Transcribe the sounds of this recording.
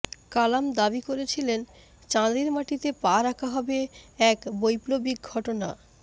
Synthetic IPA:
kalamd̪abikoɾet͡ɕʰilen | t͡ɕãd̪iɾmaʈit̪epaɾakʰaɦɔbeɛkbojplobik̚ɡʱɔʈona̰

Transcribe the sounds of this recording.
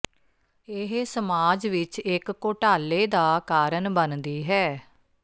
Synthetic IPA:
ɪɦsəmaːd͡ʒʋɪt͡ʃɪkːoːʈaːleːd̪aːkaːɾənbənd̪iːɦɛː

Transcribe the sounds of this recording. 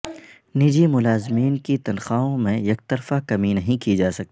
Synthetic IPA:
nid͡ʒimʊlaːzmiːnkit̪ɐnxaːõmẽjɐk̚t̪ɐɾfakɐminɐɦĩkid͡ʒaːsɐk̚t̪iiː

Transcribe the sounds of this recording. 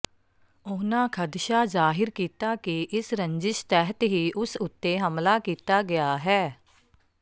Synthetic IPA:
ʊːnãːkʰəd̪ʃaːzaːɦɪɾkiːt̪aːkiʔɪsɾə̃ɲd͡ʒɪʃt̪ɛːɦət̪ɦiːʔʊsʊt̪ːeːɦəmlaːkiːt̪aːɡɪjaːɦɛː

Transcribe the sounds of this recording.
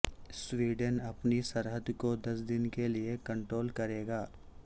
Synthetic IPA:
sʋiːɖənɐpnisɐɾɦəd̪kod̪ɐs̬d̪ɪnkeliekɐ̃ɳʈɾoːlkɐɾeːɡaː

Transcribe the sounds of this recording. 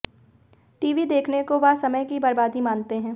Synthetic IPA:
ʈiːʋid̪eːkʰnekoʋasɐməjkibɐɾbaːd̪imaːnt̪eɦɛ̃ː

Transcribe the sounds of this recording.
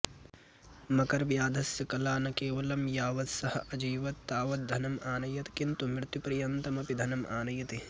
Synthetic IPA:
mɐkɐɾʋjaːd̪ʱɐsjɐkɐlaːnɐkeːʋɐlɐmjaːʋɐt̪sɐhɐ̰ʔɐd͡ʒiːʋɐt̪ːaːʋɐt̪̚d̪ʱɐnɐmʔaːnɐjɐt̪kint̪umɾt̪jupɾɐjɐnt̪ɐmɐpid̪ʱɐnɐmʔa̰ːnɐjɐt̪e

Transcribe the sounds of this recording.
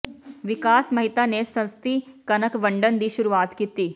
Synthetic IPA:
ʋɪkaːsmɐɦɪt̪anesɐ̃nst̪ikɐnəkʋɐ̃ɳɖənd̪iʃʊɾuʋaːt̪kiːt̪iː

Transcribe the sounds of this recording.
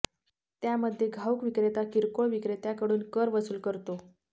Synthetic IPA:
t̪jaməd̪ʱːjeɡʱawkʋikɾet̪akiɾkoɭʋikɾet̪jakəɽuːnkəɾʋəsuːlkəɾt̪o

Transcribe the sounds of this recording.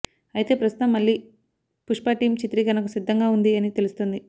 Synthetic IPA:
ɐjit̪e̞ːpɾɐst̪u̥t̪ɐmːɐɭːiː | puʂpaːʈiːmt͡ʃit̪ɾiɡɐnɐkusid̪ːɐŋɡaːund̪iɐnit̪e̞lust̪ond̪i

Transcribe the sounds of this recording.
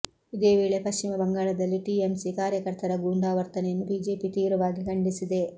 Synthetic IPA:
id̪eːʋeːɭepɐʃt͡ʃimɐbɐŋɡaːɭɐd̪ɐlːiʈiemsikaːɾjɐkɐɾt̪ɐɾɐɡuːɳɖaːʋɐɾt̪ɐnejɐnːubʱiːd͡ʒe̞ːpit̪iːɾɐʋaːɡikɐɳɖisid̪e̞

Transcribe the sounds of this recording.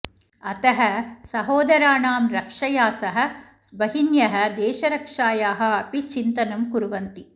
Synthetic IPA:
ɐt̪ɐɦɐ̆sɐɦoːd̪ɐɾaːɳaːmɾɐkʂɐjaːsɐɦɐ̆sbɐɦinjɐɦɐ̆d̪ɛːʃɐɾɐkʂaːjaːɦɐ̆ɐpit͡ʃint̪ɐnɐmkuɾʋɐnt̪i

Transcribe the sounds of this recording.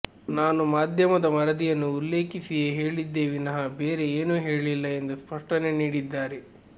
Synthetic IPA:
naːnumaːd̪ʱjɐmɐd̪ɐmɐɾɐd̪ijɐnːuːlːe̞ːkisijeɦe̞ːɭid̪ːe̞ːʋinɐɦɐbe̞ːɾe̞eːnuɦe̞ːɭilːɐe̞nd̪uspɐʂʈɐne̞niːɽid̪ːaːɾe

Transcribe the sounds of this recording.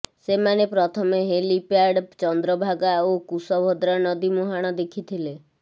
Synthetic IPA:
semanepɾɔt̪ʰɔmeɦelipaɾɖt͡ʃɔnd̪ɾɔbʱaɡaokusɔbʱɔd̪ɾanɔd̪imuɦaɽ̃ɔd̪ekʰit̪ʰile

